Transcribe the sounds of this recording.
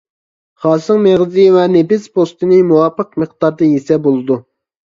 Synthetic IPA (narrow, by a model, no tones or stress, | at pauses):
χɑːsɨŋmeʁzɨwɛnepɪspʰost̪ɨnɨmuwɑpːəqməχd̪̥ɑɾd̪ɨjesɛbolˠɨd̪u